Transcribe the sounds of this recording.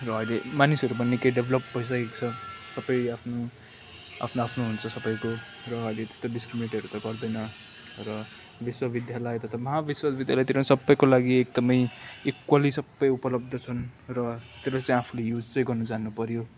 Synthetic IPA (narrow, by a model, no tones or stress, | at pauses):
rʌʌjlemanisʌɾubʌnːekeɖebʱlʌpbʱʌjs̬akekt͡sʰʌsʌbʌjapʰno | a̰pʰnoapʰnoɦunt͡sʰʌsʌbʌjko | rʌʌjlet̪e̥st̪oɖiskɾimineʈiɦʌɾut̪ʌɡʌrd̪ʌjnʌ | rʌ | biswabid̪jalʌjt̪ʌt̪ʌmʌɦabiswasbid̪jalajt̪eɾosʌbːʌjkolaɡiek̚d̪ʌmʌjekwalisʌbːʌjupʌlʌb̚d̪ʱʌt͡sʰʌnrʌt̪eɾolet͡sãĩapʰulejud͡zt͡sʌj̃ɡʌrnʌd͡zanːupʌɾjo